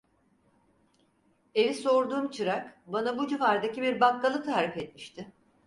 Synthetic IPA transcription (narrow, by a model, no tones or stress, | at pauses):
e̞viso̞ɾd̪uːmt͡ʃʰɯɾakbanabud͡ʒiɦaɾd̪acibiɾbakːalˠɯt̪ʰaːɾifɛt̪̚miʃt̪ʰɪ